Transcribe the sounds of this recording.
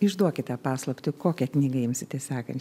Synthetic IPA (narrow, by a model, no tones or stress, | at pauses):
ɪʒd̪uɔkʲɪt̪ʲɛːpɑːslˠɐpʲt̪ʲʊkoːkʲɛknʲiːɡɐjɪmsʲɪt̪ʲɛsʲɑːkɐnʲt͡ʃʲ